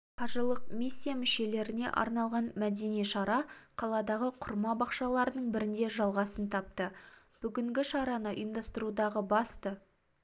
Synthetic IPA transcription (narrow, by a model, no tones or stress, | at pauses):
qʰɑʒəlˠəq̚misʲːijamʏʃe̞le̞ɾɪne̞̰ʔɑ̰ɾnɑlˠʁɑnmæd̪e̞nijʃɑɾɑqʰɑlˠɑd̪ɑʁəqʰʊɾmɑbɑqʃɑlˠɑɾənəɴbɪɾɪnd̪e̞ʒɑlˠʁɑsənt̪ʰɑp̚t̪ə | b̥ʏɡʲɪŋɡʲɪʃɑɾɑnəʔɪnd̪ɑst̪əɾud̪ɑʁəbɑst̪ə